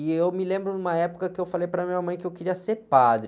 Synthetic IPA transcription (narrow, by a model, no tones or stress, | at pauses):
ɪewmɪlẽmbɾʊnũmɐɛpʊ̥kɐkɪewfalejpɾɐmĩɲɐmɐ̃j̃kɪewkeɾiɐseɾpad̪ɾ